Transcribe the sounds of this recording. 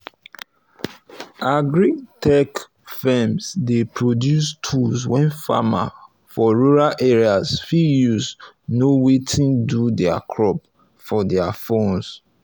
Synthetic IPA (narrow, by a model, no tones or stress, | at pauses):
aɡɹitɛk | fɛmsdepɹodjustʰulswɛ̃nfa̰ma̰ | fɔɹuɹalʔɛɹiasfijus | nowetʰĩndudɛakʰɹɔp | fɔdɛafõns